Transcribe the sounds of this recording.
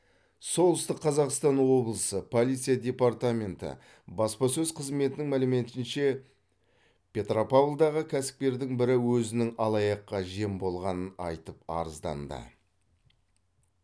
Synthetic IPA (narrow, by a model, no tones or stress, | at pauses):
so̞lˠəst̪əqʰːɑzɑqst̪ɑnwo̞blˠəsəpʰo̞lˠijt̪sɨjad̪ʲe̞part̪amʲe̞nt̪ɪ̰ | bɑspɑsɵzqʰəzme̞t̪ɪnɪŋmælɪme̞t̪ɪnʃe̞ | pʲʰe̞t̪ropavlˠd̪ɑʁəkʲʰæsɪ̥p̚t̪ʲe̞ɾd̪ɪŋbɪɾɪwɵzɪnɪŋɑlˠɑjɑqːɑʒe̞mbo̞lˠʁɑnənɑ̰jt̪əpɑ̰ɾəzd̪ɑ̰nd̪ə̰